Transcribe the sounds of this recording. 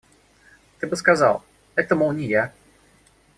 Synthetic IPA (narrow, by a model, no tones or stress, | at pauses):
t̪ɨbɨskɐza̰lˠ | ɛt̪əmʊnʲɪja